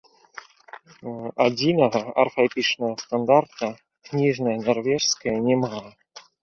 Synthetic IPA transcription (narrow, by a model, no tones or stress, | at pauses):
ɐdʲinəɣɐɐ̰rfɐpʲit͡ʂnəɣəst̪and̪art̪ə | knʲiʐnəjənɐrvʲeʂskəjənʲɛma